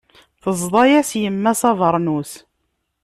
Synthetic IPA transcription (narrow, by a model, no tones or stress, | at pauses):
θəzˤd̪ˤɑjæsjəmːæsɑvəɾˤnus